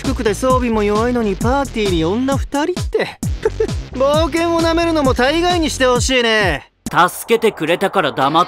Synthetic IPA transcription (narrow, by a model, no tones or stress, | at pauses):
kɯ̟kɯ̟d̪e̞so̞ːbʲimo̞joβaino̞ɲ̟ipaːt̪iːɾʲiõ̞nːaɸɯ̟̥t̪aɾʲit̪ːe̞ | bo̞ːk̬ẽ̞ɰ̃o̞name̞ɾɯ̟no̞mo̞t̪aiɡaiɲ̟iɕi̥t̪e̞ho̞ɕiːne̞ | t̪asɨ̥ke̞t̪e̞kɯ̟ɾe̞t̪akaɾad̪ama